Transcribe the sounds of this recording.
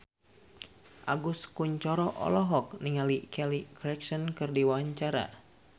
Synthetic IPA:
ʔaɡuskuɲt͡ʃɔɾɔʔɔ̰lɔɦɔk̚niŋalikʰɛlikɔɾɛksɔnkɨrdiwaaɲt͡ʃaɾa̰

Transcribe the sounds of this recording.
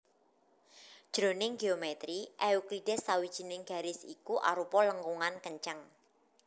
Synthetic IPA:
d̥ʒ̥ɾo̤nɪŋɡeomɛt̪ɾiʔɛukliɖ̥ɛsːawid̥ʒ̥i̤nɪŋɡ̥a̤ɾɪsikuʔa̰ɾupɔləŋkuŋankəɲt͡ʃaŋ

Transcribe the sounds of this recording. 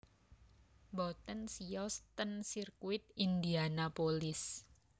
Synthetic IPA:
bɔt̪ənsiɔst̪ənsirkuɪt̪̚ind̪ianapolɪs

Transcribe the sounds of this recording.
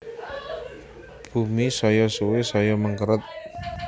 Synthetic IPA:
b̥umisɔjɔsuwesɔjɔməŋkəɾət̪̚

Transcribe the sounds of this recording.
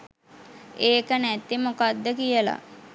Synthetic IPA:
eːkənæt̪imokad̪ːəkijəla̰

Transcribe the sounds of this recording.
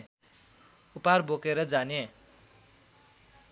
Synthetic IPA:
uparbokeɾʌd͡zane

